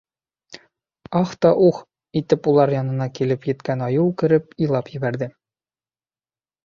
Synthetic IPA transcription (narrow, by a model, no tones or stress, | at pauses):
ɒχt̪ɒʔuχ | it̪ɘpulˠɑɾjɒnɤ̆nɑkilɘpjɘ̆t̪kænɒjɤkɘ̆ɾɘpijlˠɑpjɘ̆bæɾd̪ɘ